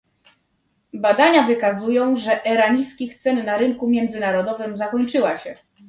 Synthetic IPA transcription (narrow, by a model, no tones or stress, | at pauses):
bad̪aɲavɘkazujɔ̃w̃ʐɛʔɛɾaɲiskʲixt̪sɛnːaɾɘŋkumʲjɛnd̪zɘnaɾɔd̪ɔvɘmzakɔɲt͡ʂɘwaɕɛ